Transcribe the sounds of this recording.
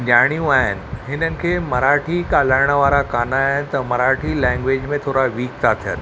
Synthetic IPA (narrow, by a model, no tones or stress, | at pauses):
d͡ʑaːɽ̃ijũaːɦɪ̰nɪ̆ɦɪnənɪ̆kʰeːmɐɾaːʈʰikaːləɾɽ̃əʋaːɾakaːnaːɦɪnɪ̆t̪ɐmɐɾaːʈʰilɛ̃ːŋɡʋeːd͡ʑmẽt̪ʰoːɾaʋiːk̚t̪ʰat̪ʰijə̰n